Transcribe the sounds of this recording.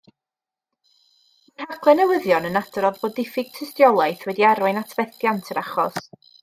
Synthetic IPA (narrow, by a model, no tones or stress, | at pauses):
manhakʰlˠɛnɛwɪðjɔnənad̥rɔðboːdɪfɪɡ̥̚tʰəstjɔlˠajθwɛdiaɾwajnatʰv̥ɛθjantʰəɾaχɔs